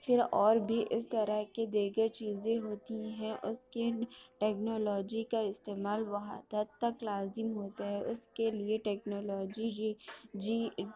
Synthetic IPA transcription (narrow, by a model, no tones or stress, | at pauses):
fɪɾɔːɾbʱiʔɪst̪ɐɾəɦked̪iːɡəɾt͡ʃiːzẽɦoːt̪iɦɛ̃ʔʊskeʈɛːknoːlɔːd͡ʒikaɪst̪eːmaːlʋɐɦa̰t̪əɾt̪ɐklaːzɪmɦoːt̪aɦɛʔʊskelieʈɛːknoːlɔːd͡ʒi | d͡ʒi